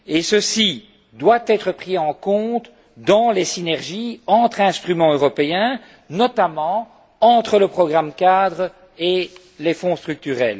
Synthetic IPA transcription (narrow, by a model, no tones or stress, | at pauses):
esəsi | d̪wat̪ɛːt̪χəpχiɑ̃kɔ̃t̪ | d̪ɑ̃lesinɛʁʒiɑ̃t̪χɛ̃st̪χymɑ̃øʁɔpeɛ̃ | nɔt̪amɑ̃ | ɑ̃t̪χələpχɔɡʁamkʲad̪ʁ | e | lefɔ̃st̪χyk̚t̪yʁɛ̰l